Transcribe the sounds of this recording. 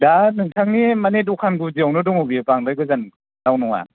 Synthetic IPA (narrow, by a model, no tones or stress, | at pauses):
danɯŋtʰaŋnimanedukʰanɡuziawnɯdɔŋɔbipaŋdɯjɡɯzan | nawnɔŋa̰